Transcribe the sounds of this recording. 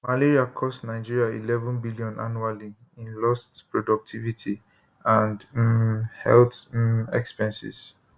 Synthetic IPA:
maleɹiakʰɔstnaɪd͡ʒiɹiaḭlɛvɔ̃nbiliɔ̃nʔa̰nuali | ĩnlɔstpɹɔdɔk̚tʰivitʰi | ãnd | hɛ̰lθɛ̰kspɛ̃nsḭs

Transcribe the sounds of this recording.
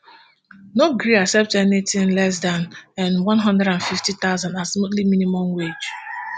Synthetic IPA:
noɡɾiasɛp̚tɛnetĩnlɛs̬danɛ̃nwɔ̃nɦɔ̃ndɛɾãnfiftit̪aʊzãndasmotlimĩnimɔ̃mwed͡ʒ

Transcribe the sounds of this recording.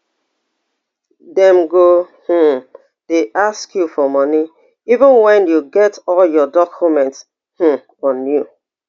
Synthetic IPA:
dɛ̃mɡoh̩ | d̥eʔaskjufɔmɔni | ivə̃nwɛ̃njuɡɛtɔljɔdɔkʰjumɛ̃nts | h̩ | ɔ̃nju

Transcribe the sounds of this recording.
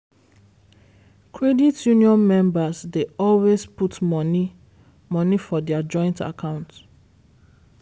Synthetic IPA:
kʰɹɛditjuniɔ̃nmɛ̃mbasdeɔlwesputmɔn | mɔnifɔdɛad͡ʒɔ̃ɪ̃nta̰kʰãʊ̃nt

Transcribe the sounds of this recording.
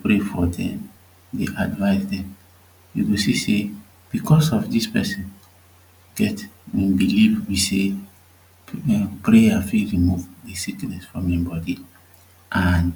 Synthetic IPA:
pɹefɔdɛ̰̃m | deʔadvaɪsdɛ̃m | wḭɡosise | b̥ikʰɔsɔfdispɛ̰sĩn | ɡ̥ɛtĩbilifwise | pɹejafilɹimuvdesiknɛsfɹɔ̃mɛ̃mbɔdi | ʔan

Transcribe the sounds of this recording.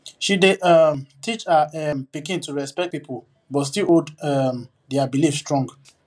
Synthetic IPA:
ʃideɔmtʰit͡ʃaɛmpikĩntuɹɛspɛk̚t̚pipo | bɔtstilodɛm | dɛabilifstɹɔ̃ŋɡ

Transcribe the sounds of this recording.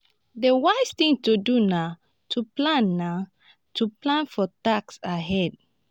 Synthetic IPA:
dewaɪst̪ĩŋtuduna | tʰuplãnːa | tʰuplãnfɔtaksaɦɛd

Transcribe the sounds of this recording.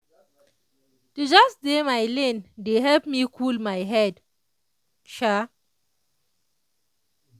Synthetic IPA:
tud͡ʒɔsdemajlẽndeɦɛlpmikʰulmajɦɛd | ʃa

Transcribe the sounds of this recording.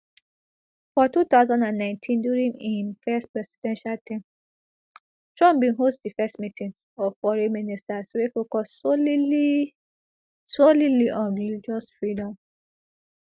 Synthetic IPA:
fɔtut̪aʊzãndãnːãɪ̃ntʰĩnduɹĩŋifɛstpɹɛsi̥dɛ̃nʃaltʰĩm | tɹɔ̃mbĩnɦostdifɛstmitʰĩŋ | ɔvfɔɹiministaswefokɔ | soliliʔɔ̃nɹilid͡ʒɔsfɹidɔ̃m

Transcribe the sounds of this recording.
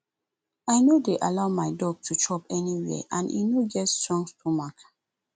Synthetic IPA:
aɪnodeʔalaʊmaɪdɔɡ̚tʰutʰɹɔpɛniwɛ̰ʔãnḭnoɡɛtstɹɔ̃ŋstʰumak

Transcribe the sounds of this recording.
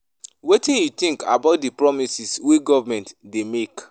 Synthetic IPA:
wetĩnjut̪ĩŋka̰baʊt̚dipɹɔmisiswiɡɔvamɛ̃ntdemek

